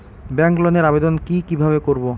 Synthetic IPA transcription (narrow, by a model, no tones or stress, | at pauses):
bɛŋkloneɾabed̪onkikibʱaβekoɾbo